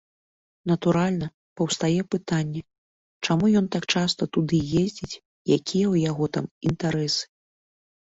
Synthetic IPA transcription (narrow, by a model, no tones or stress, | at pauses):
nɐt̪uɾalʲnɐ | pɐwst̪ajɛpɨt̪anʲːɛ | t͡ʂamujɔnt̪akt͡ʂast̪ɐt̪ud̪ɨjezʲd͡zʲit͡sʲ | jakʲʰijɛwjaɣɔt̪amint̪aɾɛsɨ̥